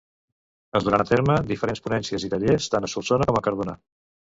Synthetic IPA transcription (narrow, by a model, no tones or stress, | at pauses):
əzuɾant̪eɾməd̪ifəɾenspunɛnsiəzit̪əʎest̪anəsulˠsonəkɔməkəɾβuna̰